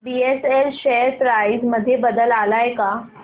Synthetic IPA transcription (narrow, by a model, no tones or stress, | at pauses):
bieselɕɛɾt̪ɾaid͡zməd̪ʱːjebəd̪əlalajka